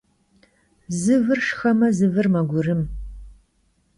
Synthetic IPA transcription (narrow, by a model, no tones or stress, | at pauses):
zɨvɨrʂxɐmɐzɨvɨrmɐɡʷʊrɨm